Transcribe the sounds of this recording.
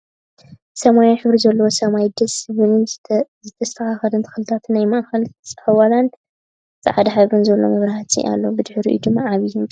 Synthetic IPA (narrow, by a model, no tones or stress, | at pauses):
sɐmajanħɨβɾizɐlːɐwosɐmajd̪ɐsβɨnɨnzɨt̪ʰɐst̪ʰɐxaxɐlɨnt̪ʰɨ̥xɨlɨt̪ʰat̪ʰnajmɐʔaxɐlt͡sʼħɐwalan | t͡sʼɐ̰ʕad̪ɐħaβɾɨnzɐlːo̰mɐβɾɐhat̪ʰḭʔa̰lːobɨd̪ħɾḭʔud̪ɨmːaʕaβijun